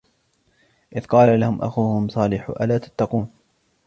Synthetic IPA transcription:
ʔɪðqɑːlalahʊmʔa̰xuːhʊmsˤɑːlɪħʔa̰laːt̪ḁt̪ːɑquːn

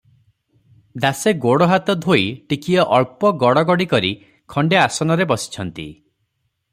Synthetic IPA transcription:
d̪aseɡoɽɔɦat̪ɔd̪ʱoiʈikiɔʔɔɭpɔɡɔɽɔɡɔɽikɔɾi | kʰɔɳɖeasɔnɔɾebɔsi̥t͡ʃʰɔnt̪ḭ

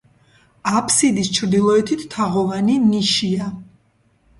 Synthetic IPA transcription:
apʰsid̪ist͡ʃʰɾd̪ilˠɔɛt̪ʰit̪ːʰaʁɔvaniniʃia

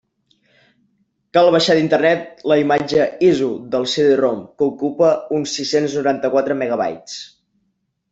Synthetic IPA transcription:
kalˠβəʃaðint̪ərnɛt̪̚ləimad͡ʒəizuðəlˠseðeromkəukupəunsːisenznuɾant̪əkwat̪ɾəmeɣəβ̞a̰jt͡s

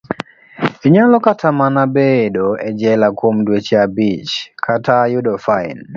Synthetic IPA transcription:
iɲalɔkatʰamanabedoɛd͡ʒɛlakwomdwet͡ʃeabit͡ʃkʰatajʊdɔfaɪ̰n

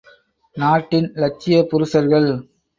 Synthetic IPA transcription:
naːʈːɪnlɐt͡ʃːɪjɐpʊɾʊsɐɾɣɐɭ

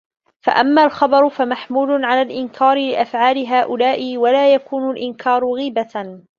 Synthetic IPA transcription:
fa̰ʔamːaːlxɑbɑɾˤʊfamaħmuːlʕalaːlʔɪnkʰaːɾɪlɪʔafʕaːlɪɦaːʔʊlaːʔɪwalaːjakuːnʊlʔɪnkʰɑːɾˤʊɣiːba

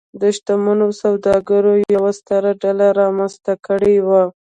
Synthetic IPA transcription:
d̪əʃt̪amanosawd̪ɑɡaɾojawast̪aɾaɖalaɾɑmanzt̪akəɽewa

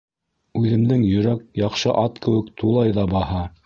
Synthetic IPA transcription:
ʉðɘ̆md̪ɘŋjɵ̆ɾæk̚jɑqʃɤʔɑt̪kɘ̆wɘkt̪ʰulˠɑjðɑbɑhɑ

